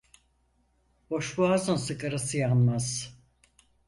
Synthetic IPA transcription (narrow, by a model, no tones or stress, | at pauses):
b̥o̞ʃbuazɯnsɯkaɾasɯjanmaz̥